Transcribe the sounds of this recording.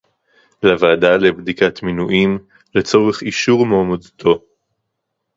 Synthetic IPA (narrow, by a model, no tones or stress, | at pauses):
lavaːdale̞bdikatminuʔim | le̞t͡so̞ʁeχiʃuʁmoːmadtʰo̞